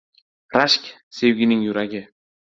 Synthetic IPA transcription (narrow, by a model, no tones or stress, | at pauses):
raʃkʲ | sewɡʲiniŋjuɾɑɡʲe